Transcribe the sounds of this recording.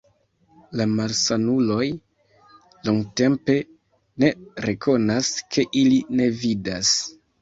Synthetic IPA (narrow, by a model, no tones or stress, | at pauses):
lamalsanulo̞j | loŋɡte̞mpe̞ | ne̞ɾe̞kʰo̞naskʰe̞ʔiline̞vidas